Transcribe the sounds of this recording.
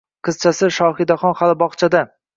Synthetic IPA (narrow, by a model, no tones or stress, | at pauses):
qʰɨz̥t͡ʃʰasɪʃɒχɪd̪aχɒnχalɪbɒχt͡ʃʰad̪a